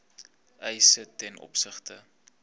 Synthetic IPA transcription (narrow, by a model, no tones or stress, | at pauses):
ɛjsətɛnʔɔ̰psəχtə